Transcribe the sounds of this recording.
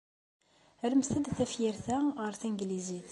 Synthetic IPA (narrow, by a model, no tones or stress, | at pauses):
əɾməst̪əd̪θæfjiɾθæʁəɾθiŋɡliziθ